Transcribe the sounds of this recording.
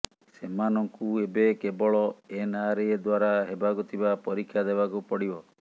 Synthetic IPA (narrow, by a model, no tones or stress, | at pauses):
semanɔŋkuebekebɔɭɔenaɾeed̪waɾaɦebakut̪ʰibapɔɾikʰːjad̪ebakupɔɽibɔ